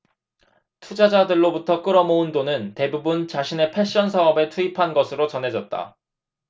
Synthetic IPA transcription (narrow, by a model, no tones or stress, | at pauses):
tʰud͡ʑad͡ʑadɯɭːobutʰʌk͈ɯɾʌmoundonɯnte̞bubunt͡ɕaɕʰine̞pʰe̞ɕ͈ʌns̬ʰaʌbe̞tʰuipʰanɡʌsʰɯɾot͡ɕʌnɦe̞d͡ʑʌt̚t͈a̰